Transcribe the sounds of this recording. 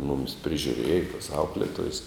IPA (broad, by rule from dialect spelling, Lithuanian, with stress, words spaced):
mʊmʲɪs pʲrʲɪʒʲʊˈrʲeːjɛ toːs ˈɐʊklʲɛtoːjɛs